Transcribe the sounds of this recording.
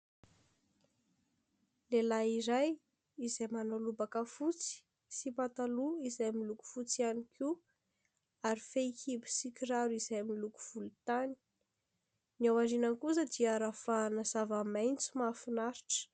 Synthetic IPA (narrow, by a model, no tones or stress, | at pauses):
lelaiɾaj | izajmanalubakəfut͡si̥ | sipat̪aluizajmiluku̥fut͡sianikʰu | aɾifekʰibi̥sikʲiɾaɾizajamiluku̥v̥ulut̪ani̥ | niawaɾinəŋkuz̬əd̪iaɾafanəz̥avamajnt͡sumafinaɾi̥ʈ͡ʂə̥